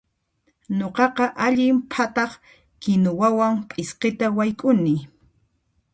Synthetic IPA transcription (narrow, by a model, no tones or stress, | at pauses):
ɲoqɑqɑʔaʎɪmpʰat̪ɑχ | kɪnʊwawaŋpʼɪsqɪt̪awajkʼʊnɪ